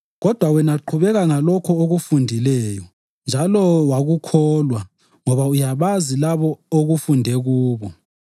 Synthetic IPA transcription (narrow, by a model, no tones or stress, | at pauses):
ɣɔd̥ʱwawɛnaǃʰuβɛɣaŋalɔkʰɔoɣufundʱilɛːjɔ | nd͡ʒʱalɔwaɣukʰɔlwa | ŋɔβaujaβazilaβɔoɣufundʱɛɣuːβɔ